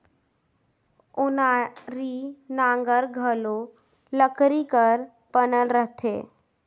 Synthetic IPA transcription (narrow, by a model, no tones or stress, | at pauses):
ʊnaɾinaŋɡəɾɡʱəlo | ləkʰɾikəɾ | pənəlɾəɦt̪ʰḛ